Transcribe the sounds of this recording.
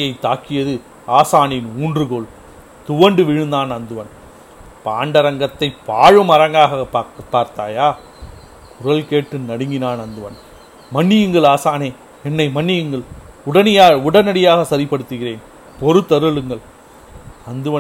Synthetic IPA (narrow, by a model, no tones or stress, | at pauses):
jɐɪt̪ːaːkːɪjɐðɯ | aːsaːnɪnuːndrɯɣoːɭ | t̪ʊʋɐɳɖɯʋɪɻɯnd̪aːnɐnd̪ɯʋɐn | paːɳɖɐɾɐŋɡɐt̪ːɐɪpːaːɻɯmɐɾɐŋɡaːɣɐɐpːpːaːɾt̪aːjaː | kʊɾɐlkeːʈːɯnɐɽɯŋɡɪnaːnɐnd̪ɯʋɐn | mɐɳːɪjɯŋɡɐɭaːsaːneː | ɛnːɐɪmɐɳːɪjɯŋɡɐɭ | ʊɽɐnɪjaːʊɽɐnɐɽɪjaːɣɐsɐɾɪpːɐɽɯt̪ːɯɣɪreːn | pɔɾɯt̪ːɐɾɯɭɯŋɡɐɭ | ɐnd̪ɯʋɐ